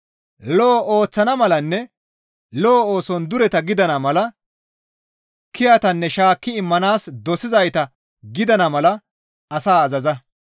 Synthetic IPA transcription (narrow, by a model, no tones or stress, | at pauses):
lɔːʔoːt͡sːɐnɐmɐlɐnːɛ | loːoːsɔnd̪ʊɾɛt̪ɐɡɪd̪ɐnɐmɐlɐ | kɪjɐt̪ɐnːɛʃaːkːɪɪmːɐnaːsd̪ɔsɪzɐjt̪ɐ | ɡɪd̪ɐnɐmɐlɐ | ɐsaːɐzɐzɐ